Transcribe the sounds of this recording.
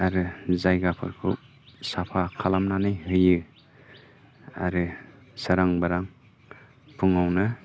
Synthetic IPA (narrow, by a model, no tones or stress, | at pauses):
aɾɯzajɡapʰɯ̰ɾkʰṵ | sapʰakʰalamnanɯjɦɯjɯ | a̰ɾɯ | saɾaŋbaɾaŋ | pʰuŋawnɯ